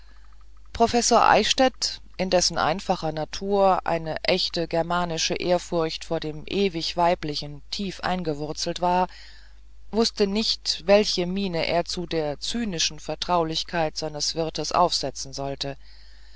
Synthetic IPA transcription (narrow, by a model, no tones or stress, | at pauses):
pʁ̥ofɛsoːɐʔa̰ɪʃtɛt | ʔɪndɛsn̩ʔa̰ɪnfaχɐnatʰuːɐʔa̰ɪnəʔɛçtəɡɛɐmaːnɪʃəʔeːɐfʊʁçtfoːɐdeːmʔeːvɪçv̥aɪplɪçn̩tʰiːfʔa̰ɪnɡəvʊɐt͡sl̩tv̥aːɐ | vʊstənɪçtvɛlçəmiːnəʔḛːɐt͡sudeːɐt͡syːnɪʃn̩fɛɐtʁ̥aʊlɪçkʰaɪtz̥aɪnəsv̥ɪɐtəsʔa̰ʊfz̥ɛt͡sn̩zɔltə